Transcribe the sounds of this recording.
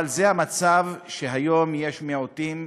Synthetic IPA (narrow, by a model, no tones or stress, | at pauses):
alzehamat͡savʃeɦajo̞mje̞ʃmeotim